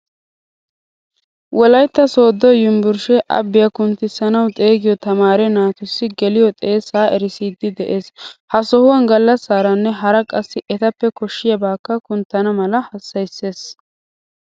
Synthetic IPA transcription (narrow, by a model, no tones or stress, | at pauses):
wɔlɐjt̪ːɐso̞ːd̪ːɔjɪmbʊɾʃɛʔɐ̰bːɪjɐkʊnt̪ːɪsːɐnɐwt̪ʼe̞ːɡɪjɔt̪ɐmaːɾɛnaːt̪ʊsːɪɡɛlɪjɔt̪ʼe̞ːsːaːɛɾɪsiːd̪ːɪd̪ɛʔe̞ːshɐsɔhʊwɐnɡɐlːɐsːaːɾɐnːɛɦɐɾɐkʼɐsːɪʔɛt̪ɐpːɛkɔʃːɪjɐbaːkːɐkʊnt̪ːɐnɐmɐlɐhɐsːɐjsːe̞ːs